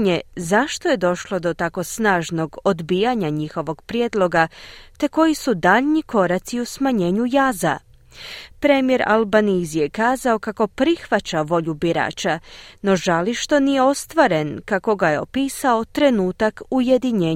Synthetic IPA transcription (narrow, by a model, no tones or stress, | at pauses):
ɲe̞zaʃt̪oje̞d̪o̞ʃlˠo̞d̪o̞t̪ako̞snaːʒno̞ɡo̞d̪biːjaɲaɲixo̞ʋo̞ɡ̥pɾjed̪lo̞ɡat̪e̞ko̞jisud̪aʎɲiko̞ɾat̪siusmaɲe̞ːɲujaːza̰ | pɾe̞mije̞ɾa̰lbanizijekaːzao̞kako̞pɾixʋat͡ɕaʋo̞ʎubiɾa̰ːt͡ʃano̞ʒaliʃt̪o̞nije̞o̞st̪ʋaɾe̞nkako̞ɡajeo̞piːsao̞t̪ɾe̞nuːt̪akuje̞d̪iɲeː